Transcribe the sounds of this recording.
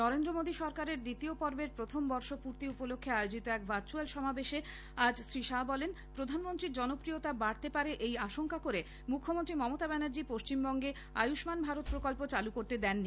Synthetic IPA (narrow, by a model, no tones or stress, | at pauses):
nɔɾend̪ɾomod̪iʃɔɾkaɾeɾd̪it̪iopɔɾbeɾpɾot̪ʰombɔɾʃopuɾt̪iupolokʰːeaeod͡ʑit̪oɛkbʱaɾt͡ɕualʃɔmabeʃe | ad͡ʑsɾiʃabɔlen | pɾod̪ʱanmont̪ɾiɾd͡ʑɔnopɾiot̪abaɽt̪epaɾeʔejaʃoŋkakoɾe | mukʰːomont̪ɾimɔmot̪abɛnaɾd͡ʑipoʃt͡ɕimbɔŋɡe | a̰juʃmanbʱaɾot̪̚pɾokolpot͡ɕalukoɾt̪ed̪ɛnːi